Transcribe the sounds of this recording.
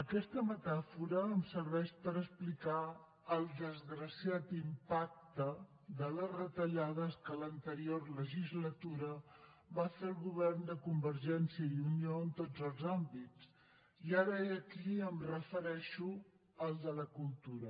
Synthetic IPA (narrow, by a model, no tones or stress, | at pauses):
əkɛst̪əmət̪afuɾəːmsəɾβɛʃpəɾəsplika | əlˠd̪əzɣɾəsiat̪impak̚t̪ə | ðələzrət̪əʎað̞əskələnt̪əɾiorləʒizlət̪uɾə | βafeəlˠɣuβɛrnd̪əkumbəɾʒɛnsjiəiunioənt̪od͡zəlˠzambit͡s | iaɾəeəkiəmrəfəɾɛʃu | əlˠd̪ələkulˠt̪uɾə